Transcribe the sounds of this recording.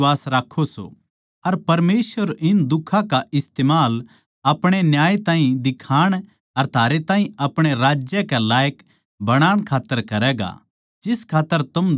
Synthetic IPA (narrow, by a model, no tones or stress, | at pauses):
aːsɾaːkʰːoso̰ | ɐɾpɐɾmeːsʋəɾɪnd̪ʊkʰːãkaʔɪst̪eːmaːl | ɐpɽ̃enjaːet̪ãːɦĩd̪ɪkʰaːɽ̃ | ɐɾt̪ʰaːɾet̪ãːɦĩɐpɽ̃eɾaːd͡ʒjəkɛlaːjək | bɐɽ̃aːɽ̃kʰaːt̪ːəɾkɐɾɛːɡa̰ | d͡ʒɪskʰaːt̪ːəɾt̪ɐm